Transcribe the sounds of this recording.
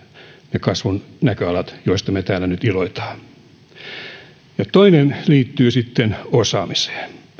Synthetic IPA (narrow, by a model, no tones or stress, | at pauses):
nekɑsʋunnækøɑlɑt̪joist̪ɑmet̪æːlːænyt̪iloit̪ɑ̥ː | jɑt̪oinenliːt̪ːyːsit̪ːenosɑːmise̥ː